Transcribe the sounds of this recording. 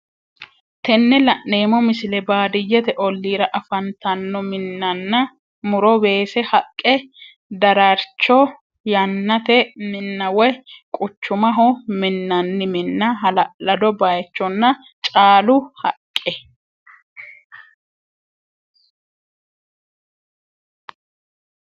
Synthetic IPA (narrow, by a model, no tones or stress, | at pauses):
t̪ɛnːɛlɐʔːe̞ːmɔmɪsɪlɛbaːd̪ɪjːɛt̪ɛʔɔlːiːɾɐʔɐfɐnt̪ɐnːɔmɪnːɐnːɐ | mʊɾɔbe̞ːsɛhɐkʼːɛ | d̪ɐɾɐɾt͡ʃːɔ | jɐnːɐt̪ɛmɪnːɐwɔjkʼʊt͡ʃːʊmɐɦɔmɪnːɐnːɪmɪnːɐɦɐlɐd̪ɔbajɛt͡ʃːɔnːɐ | t͡ʃʼaːlʊhɐkʼːɛ